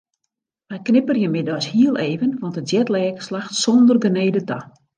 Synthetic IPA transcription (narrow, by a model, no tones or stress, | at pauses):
ʋɛjknɪpərjəmɪdɔshiəlˠʔeːvənʋɔntətsjɛtlɛːkslaxtsɔndərɡəneːdəta